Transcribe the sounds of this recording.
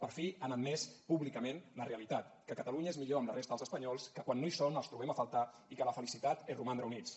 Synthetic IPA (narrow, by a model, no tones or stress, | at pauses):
pəɾfianət̪mɛspuβlikəmenləreəlit̪at̪kəkət̪əluɲəezmiʎoəmlərʔest̪əðəlzəspəɲɔlˠskəkwanːoisonəlˠst̪ɾuβɛməfəlˠt̪a | ikələfəlisit̪at̪erumanreəunit͡s